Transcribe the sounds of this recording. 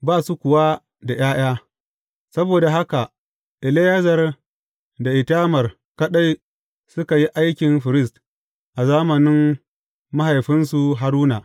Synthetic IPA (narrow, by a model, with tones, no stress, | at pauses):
baː˦˨su˦kʷʊ˨wa˦ | da˨j̰aː˦j̰aː˦ | sɐ˦boː˨da˨ɦa˦ka˨ | ʔɪ˨le˦jɐ˦zɐ˨r | da˨ʔɪ˨taː˦mɐ˨r | kɐ˦ɗa˦j | sʊ˦ka˨ji˦ʔa˦jkʲɪ˨nɸɪ˨ɾɪ˦s̬t | ʔa˨zaː˦mɐ˨nɪ˦m | ma˦ha˨jɸɪ˦nsu˨ɦa˦ɾuː˦naː˨